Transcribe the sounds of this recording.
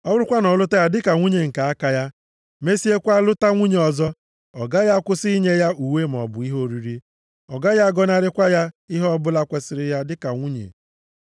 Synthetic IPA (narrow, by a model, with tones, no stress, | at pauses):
ɔ˦bʊ˦ɾʊ˦kʷa˦nɔ˨lʊ˦ta˦ja˦dɪ˦ka˨ŋʷu˦ɲe˨ŋ̩˨ka˨a˦ka˦ja˦ | me˦si˦e˦kʷa˦lʊ˦ta˦ŋʷu˦ɲe˨ɔ˨zɔ˦ | ɔ˨ɡa˦ja˦kʷʊ˦si˦i˦ɲe˦ja˦u˨we˦m˨ɔ̰˨bʊ˨i˦ɦo˦ɾi˨ɾi˦ | ɔ˨ɡa˦ja˦ɡɔ˦na˦ɾɪ˦kʷa˦ja˦i˦ɦɔ˦bʊ˦la˦kʷe˨sɪ˨ɾɪ˦ja˦dɪ˦ka˨ŋʷu˦ɲḛ˨